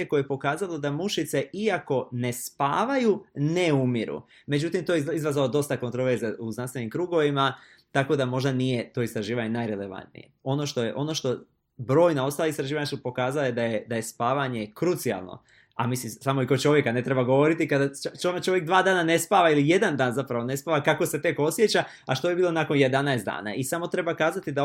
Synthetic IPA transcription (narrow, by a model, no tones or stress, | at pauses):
ekojejpo̞kaːzalˠod̪amuʃit̪se̞ʔiako̞ne̞spaːʋajuneumiɾṵ | me̞d͡ʑut̪imt̪ojizɾazalod̪o̞st̪akont̪ɾo̞ʋe̞ɾzeuznanst̪enimkɾuːɡo̞ʋima | t̪ako̞d̪amo̞ʒd̪anije̞t̪o̞ist̪ɾaʒiːʋaɲenaːjɾe̞le̞ʋa̰nt̪nḭje̞̰o̞no̞ʃt̪o̞jeʔo̞no̞ʃt̪o̞ | bɾo̞ːjnao̞st̪aliist̪ɾaʒiːʋaɲasupo̞kaːzalaje̞d̪ajed̪aje̞spaːʋaɲe̞kɾut̪sia̰lˠno̰ | a̰misimsamo̞ikot͡ʃo̞ʋje̞kane̞t̪ɾe̞baɡo̞ʋo̞ɾit̪ikad̪at͡ʃot͡ʃo̞ʋjek̚d̪ʋaːd̪aːnane̞spaːʋailije̞d̪and̪aːnzapɾaʋo̞ne̞spaːʋakako̞se̞t̪e̞ko̞sje̞t͡ɕa | aʃt̪ojibiːlˠo̞naːko̞nje̞d̪anaest̪d̪a̰ːna̰isamo̞t̪ɾe̞bakaːzat̪id̪a